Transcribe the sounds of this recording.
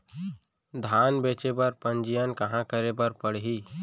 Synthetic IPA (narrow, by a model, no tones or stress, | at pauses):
d̪ʱaːnbeːt͡ʃebɐɾpə̃nd͡ʒijənkɐɦãkəɾebəɾpəɽɦiː